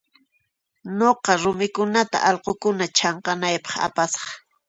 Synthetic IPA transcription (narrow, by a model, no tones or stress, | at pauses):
noqɑɾʊmɪkʊnat̪a̰ʔɑlqokʊnat͡ʃɑɴqɑnajpɑ̥χa̰pasɑ̥χ